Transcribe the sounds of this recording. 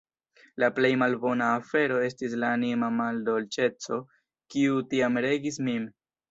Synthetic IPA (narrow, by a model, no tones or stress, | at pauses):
laple̞jmalbo̞naːfe̞ɾo̞e̞stis̬laːnimamaldo̞lt͡ʃe̞t͡so̞ | kiutiamɾe̞ɡismim